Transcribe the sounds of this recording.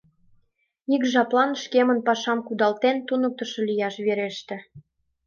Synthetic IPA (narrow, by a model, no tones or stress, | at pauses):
ikʒɑplɑnʃkemənpɑʃɑmkud̪ɑlt̪ent̪unɤ̆k̚t̪ə̆ʃŏlʲijɑʃβeɾeʃt̪ĕ